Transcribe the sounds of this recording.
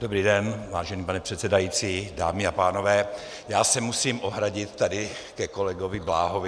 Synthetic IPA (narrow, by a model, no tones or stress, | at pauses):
d̥obɾiːdɛnvaːʒɛniːpanɛpr̝̥ɛt̪sɛdajiːt͡siːda̰ːmɪapaːno̞vɛː | jaːsɛmusiːmʔoɦɾaɟɪt̪t̪adɪkɛko̞lɛɡovɪblaːɦovɪ